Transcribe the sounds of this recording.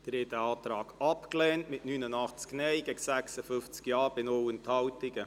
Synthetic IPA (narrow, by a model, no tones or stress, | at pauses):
d̥əɾɛtəɑːt̪ɾɑːɡ̥ɑpklɛːntmɪtnynənɑχt͡sknɛɪɡɛɡsæksəfʏnft͡skjɑːɾbɪnowənthɑwtɪɡə